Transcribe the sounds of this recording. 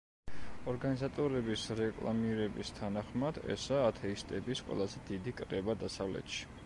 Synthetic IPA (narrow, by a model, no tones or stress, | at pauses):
ɔɾɡanizat̪ʼɔɾɛbisɾɛkʼlˠa̰miɾɛbist̪ʰanaχmad̪ɛ̰saːt̪ʰɛist̪ʼɛbisqʼwɛ̰lˠazɛd̪̥id̪ikʼɾɛbad̪asavlɛ̰t̪ʃi̥